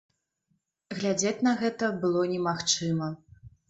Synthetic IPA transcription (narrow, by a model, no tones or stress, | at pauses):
ɣlʲad͡zʲat͡sʲnɐɣɛt̪ɐbɨlˠɔnʲɛmaxt͡ʂɨmɐ